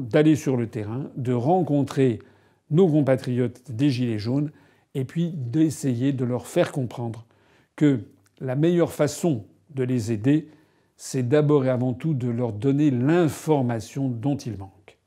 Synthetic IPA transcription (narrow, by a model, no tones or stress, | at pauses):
d̪alesyʁlət̪eʁɛ̃d̪əʁɑ̃kɔ̃t̪χe | nokɔ̃pat̪χijɔt̪d̪eʒileʒon | epɥid̪esejed̪əlœʁfɛʁkɔ̃pχɑ̃d̪ʁ | kə | lamɛjœʁfasɔ̃ | d̪əlezed̪e | sɛd̪abɔʁeavɑ̃t̪ud̪əlœʁd̪ɔnelɛ̃fɔʁmasjɔ̃d̪ɔ̃t̪ilmɑ̃k